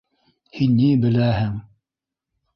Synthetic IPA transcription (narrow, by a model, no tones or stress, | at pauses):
hinːibɘ̆læhɘŋ